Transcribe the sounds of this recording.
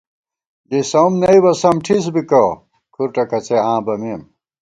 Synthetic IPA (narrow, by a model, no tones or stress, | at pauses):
d̪isɐmnɐiwɐsɐmʈʰis̬bikɐ | kʰuɾʈɐkɐt͡sʰeãːbɐmiːm